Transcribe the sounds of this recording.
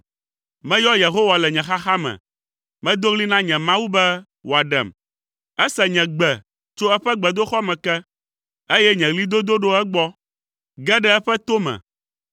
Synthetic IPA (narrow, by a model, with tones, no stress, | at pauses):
mɛ̃˦jɔ˦je˨ɦo˦wa˨lɛ˨ɲɛ̃˨xa˦xa˦mɛ̰̃˨ | mɛ̃˦d̪o˦ɣli˦nã˦ɲɛ̃˨mã˦wu˦bɛ˦ | wo˨a˨ɖɛ̰˨m | ɛ˦sɛ˨ɲɛ̃˨ɡ͡bɛ˨ | t͡ʃo˦ɛ˦ɸɛ˦ɡ͡bɛ˨d̪o˦xɔ˦mɛ̃˨kɛ˦ | e˦jɛ˦ɲɛ̃˨ɣli˦d̪o˦d̪o˦ɖo˦ɛ˦ɡ͡bɔ˦ | ɡɛ˦ɖɛ˦ɛ˦ɸɛ˦t̪o˦mɛ̰̃˨